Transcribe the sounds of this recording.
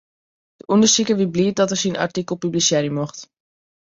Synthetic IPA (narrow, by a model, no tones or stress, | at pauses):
d̥əʔundəɹsikəʋibliːət̚dɔtəɹsina̰ɹtikəlˠpyblisɛɾimɔχt